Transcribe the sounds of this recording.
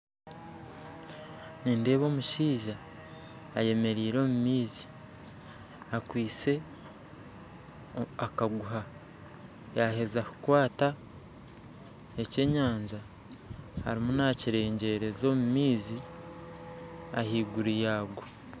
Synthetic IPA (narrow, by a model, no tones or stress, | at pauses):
niːnde̞ːβo̞ːmuʃiːʒaː | je̞me̞ɾiːɾo̞ːmumiːzi̥ | akwiːt͡se̞ | akaɡuɦa | jaːhe̞zakukwaːta | e̞ce̞ːɲaːɲza | ha̰ɾimunaciɾe̞ːɲɟe̞ɾe̞zo̞mumiːzi | a̰hiːɡuɾijaːɡo